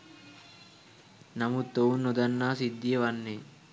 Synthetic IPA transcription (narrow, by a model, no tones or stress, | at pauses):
nɐmut̪ːownːɔd̪ɐnːaːsid̪ːijɐʋɐnːeː